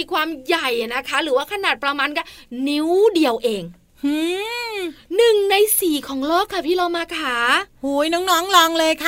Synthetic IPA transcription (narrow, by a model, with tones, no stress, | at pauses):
iː˧kʰwaː˧mja˨˩ja˨˩na˦˥kʰa˦˥ɾɯː˩˦waː˥˩kʰa˧naː˨˩t̪̚pɾa˧maː˧nka˥˩ni˦˥wdi˧əwʔeː˧ŋ | hɯː˧˩ | nɯ˨˩ŋna˧jsiː˨˩kʰɔː˩˦ŋlɔː˥˩kʰːa˧˥˩pʰiː˥˩ɾa˧wmaː˧kʰaː˨˩˦huː˩˦jnɔː˦˥ŋnɔː˦˥ŋlɔː˧ŋlɤː˧jkʰa˦˥˩